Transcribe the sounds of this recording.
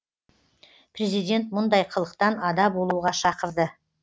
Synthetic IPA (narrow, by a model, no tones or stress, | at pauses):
pʰre̞zijd̪ʲe̞nt̪̚mʊnd̪ɑjqʰəlˠəq̚t̪ɑnɑd̪ɑbo̞lˠuuʁɑʃɑqəɾd̪ə